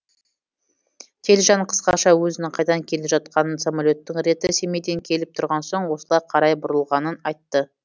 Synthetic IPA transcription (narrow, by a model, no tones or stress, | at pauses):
kʲʰe̞lʒɑɴqʰə̥sqɑʃɑwɵzɪnɪŋqʰɑjd̪ɑŋkʲʰe̞lɪpʒɑt̪̚qɑnənsamalʲo̞t̪ːɪŋɾe̞t̪ɪse̞med̪e̞ŋkʲʰe̞lɪp̚t̪ʰʊɾʁɑnso̞ɴwo̞səlˠɑjqʰɑɾɑjbʊɾəlˠʁɑnənɑjt̪ːə